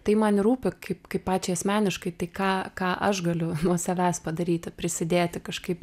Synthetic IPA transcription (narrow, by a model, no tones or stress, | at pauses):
t̪ɐɪmɐnɪɾuːpʲɪkɐɪpkɐɪppːɑːt͡ʃʲɛɪɐsʲmʲæːnʲɪʃkɐɪt̪ɐɪkɑːkɑːʔɐʃɡɐlʲʊnuɔsɐʋʲæːspɐd̪ɐɾʲiːt̪ʲɪpʲɾʲɪsʲɪd̪ʲeːt̪ʲɪkɐʃkɐɪp